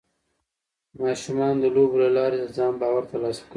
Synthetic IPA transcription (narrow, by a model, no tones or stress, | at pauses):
mɑːʃumɑnd̪əloblalɑːɾeəzɑːmbɑːwaɾt̪alɑswk